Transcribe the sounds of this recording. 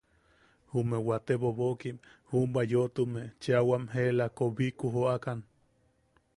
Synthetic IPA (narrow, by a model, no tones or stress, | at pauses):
humewat̪eβoβokimhumbajoʔt̪umet͡ʃeawamɦelakoβikuɦoakan